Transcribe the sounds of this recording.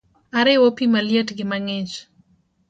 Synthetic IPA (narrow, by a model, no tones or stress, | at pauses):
aɾɪwopimaljetɡɪmaŋɪt͡ʃ